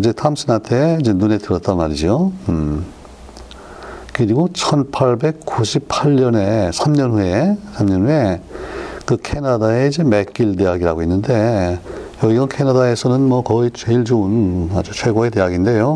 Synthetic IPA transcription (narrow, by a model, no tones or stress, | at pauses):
id͡ʑe̞tʰamsʰɯnantʰeid͡ʑe̞nune̞tɯɾʌt̚t͈anmaɾid͡ʑom | kɯɾiɡot͡ɕʰʌnpʰaɭbe̞k̚k͈uɕʰipʰaʎːʌne̞sʰamɲʌnɸue̞sʰamɲʌnɦue̞ | kɯkʰe̞nadae̞id͡ʑe̞me̞k͈iɭde̞jaɡiɾaɡoinːɯnde̞ | jʌɡiɡʌnkʰenadae̞sʰʌnɯnmwʌkʌit͡ɕeiɭd͡ʑouna̰d͡ʑut͡ɕʰwe̞ɡoete̞jaɡinde̞jo